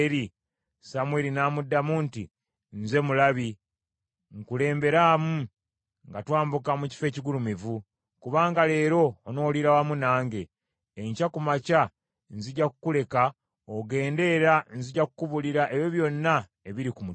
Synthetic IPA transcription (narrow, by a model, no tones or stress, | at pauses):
ɾi | samwe̞ɾinaːmudːamuntḭ | nze̞mulaβi | ŋkule̞ːmbe̞ɾaːmu | ŋɡatwaːmbukamuci̥fe̞ːciɡulumivu | kuβaːŋɡale̞ːɾo̞ːno̞ːliɾawamunaːŋɡe̞ː | ɲcakumaca | nziɟakukule̞ka | oɡe̞ːnde̞ɾanziɟakukuβuliɾaʔe̞βjoβjo̞nːa | eβiɾikumu